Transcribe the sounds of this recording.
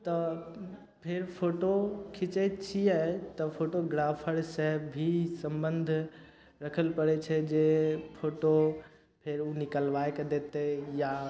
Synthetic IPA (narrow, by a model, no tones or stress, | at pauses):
t̪ɐ | pʰɪɾpʰoːʈokʰɪt͡ʃet͡ɕʰiaet̪ɐpʰoːʈoɡɾaːfʰəɽsɛɦbʱisɐ̃mbə̃nd̪ʱʊ | ɾɐkʰəlpɐɽet͡ɕʰɛd͡ʑepʰoːʈo | pʰɪɾuːnɪkəlʋaːekɐd̪eːt̪eja